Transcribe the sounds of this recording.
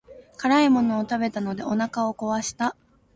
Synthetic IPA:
kaɾaimo̞no̞ːt̪abe̞t̪ano̞d̪e̞ʔo̞nakao̞ko̞βaɕi̥t̪a

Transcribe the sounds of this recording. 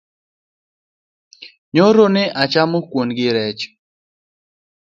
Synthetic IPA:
ɲoɾonɪʔat͡ʃamokwonɡɪɾɛt͡ʃ

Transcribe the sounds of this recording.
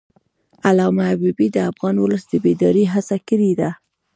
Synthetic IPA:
alɑmaabibid̪əafɣɑnwʊləsd̪əbed̪ɑɾeɦasakəɾid̪a

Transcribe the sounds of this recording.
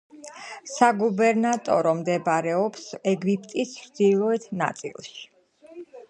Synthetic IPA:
saɡubɛɾnat̪ʼɔ̰ɾɔmd̪ɛbaɾɛɔpsɛɡipʰʼt̪ʼisɾd̪ilˠɔɛt̪ʰna̰t̪sʼḭlˠʃi̥

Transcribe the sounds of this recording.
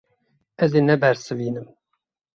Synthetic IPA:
ɛzeːnɛbɛɾsɨviːnɨm

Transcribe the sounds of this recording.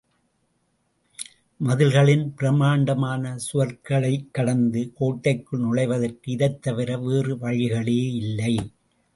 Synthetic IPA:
mɐðɪlɣɐɭɪnpɪɾɐmaːɳɖɐmaːnɐsʊɐɾkɐɭɐɪkːɐɽɐnd̪ɯkoːʈːɐɪkːɯɭnʊɻɐɪʋɐðɐrkɯɪðɐɪt̪ːɐʋɪɾɐʋeːrɯʋɐɻɪɣɐɭeːɪlːɐɪ

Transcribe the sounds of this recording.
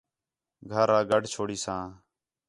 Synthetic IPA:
ɡʱəɾãːɡəɖʱt͡ʃʰoːɽiːsãː

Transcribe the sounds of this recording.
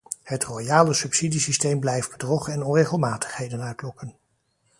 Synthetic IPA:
hətrojaːləsɵpsidisistejmblɛjfd̚bədrɔχəɛnɔnrejχəlˠmaːtə̥χɦejdənœɥtlɔkən

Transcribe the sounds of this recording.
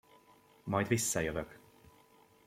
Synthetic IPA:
mɒjd̪visːɒjøvøk

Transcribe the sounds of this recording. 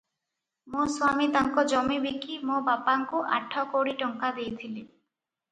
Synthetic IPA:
mõswamit̪aŋkɔd͡ʒɔmibikːimõbapaŋkuʔa̰ʈʰːɔkoɽiʈɔŋkad̪ejt̪ʰili

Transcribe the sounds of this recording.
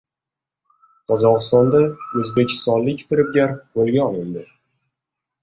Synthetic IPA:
qʰɒzɒqɨst̪ɒnd̪aɵzbekʲʰːɪ̥st̪ɒnlɪkʲfɪɾɪp̚ɡʲaɾpolɡʲaɒlɪnd̪ɪ

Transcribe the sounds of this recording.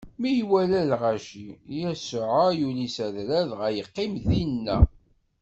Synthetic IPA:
mijwælælʁæʃijəsəʕajulisæðɾæðʁæjəqːimðinːæ̰

